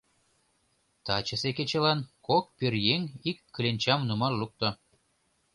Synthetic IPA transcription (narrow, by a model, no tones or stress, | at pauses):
t̪ɑt͡ɕə̆seket͡ɕĕlɑnkok̚pørjeŋikːə̆lʲenʲt͡ɕɑmnumɑlluk̚t̪ŏ